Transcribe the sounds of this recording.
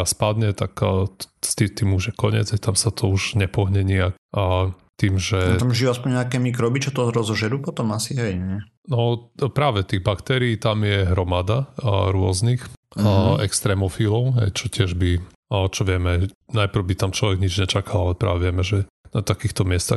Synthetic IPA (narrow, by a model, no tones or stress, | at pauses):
aspad̪ɲɛt̪akːt̪st̪it̪iːmuʒjɛkɔɲɪɛ̰d͡zɦɛjt̪amsat̪ʰɔuʒɲɛpɔɦɲɛɲiakː | t̪iːmʒɛt̪amʒijuaspɔɲɲɛakɛːmikɾɔbit͡ʃɔt̪ɔɾɔzɔʒɛd̪upɔt̪ɔmasiɦɛjɲɛ | nɔpɾaːʋɛt̪iːɣbakt̪ɛɾiːt̪amjɛɦɾɔmad̪aɾʊɔznix | ɛkst̪ɾɛmɔfilɔʊɦɛ̰jt͡ʃɔcɪɛʒbi | t͡ʃɔʋɪɛmɛnajpɾ̩wbit̪amt͡ʃlɔʋɛɡɲid͡ʒɲɛt͡ʃakalalɛpɾa̰ːʋɛʋɪɛmɛʒɛnat̪akiːxt̪ɔmɪɛst̪a̰x